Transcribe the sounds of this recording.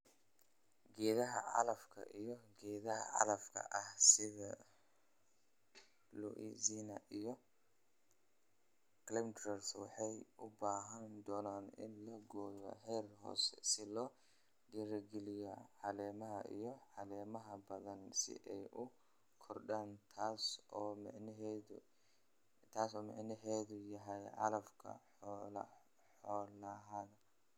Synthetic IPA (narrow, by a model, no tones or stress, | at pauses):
ɡɛːðɐɦɐ̰ʕɑ̰lɐfkʰɐ̰ʔijɔɡɛːðɐɦɐ̰ʕɑ̰lɐfkʰɐ̰ʔɐhsɪðɐ | luʔḭziːnɐʔijɔ | klɛmt̪ɾɛrswɑħɑjʔʊbaːɦɐnd̪ɔːnaːnɪ̰nlɐɡɔːðɐ̰ɦɛːrɦɔ̰ːsɛ̥sɪlɔː | diːɾɐɡɛlɪjɐʕɑlɛːmɐɦɐ̰ʔḭjɔʕɑlɛːmɐɦɐbɐðɐnsɪ̰ʔɛjʔʊ | kʰɔrɖaːnt̪ʰaːsɔːmʕn | t̪ʰaːsɔːmɑ̰ʕnɐɦɛːðʊjɐɦɛjʕɑ̰lɐfkʰɐ̰ | ħɔːlɐɦɐðɐ